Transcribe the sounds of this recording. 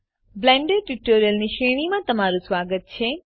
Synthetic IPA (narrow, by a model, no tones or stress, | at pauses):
blɛɳɖeɖʈuʈoɾijəlniʃeɽ̃imãt̪əmaɾũsʋaɡət̪̚t͡ʃʰe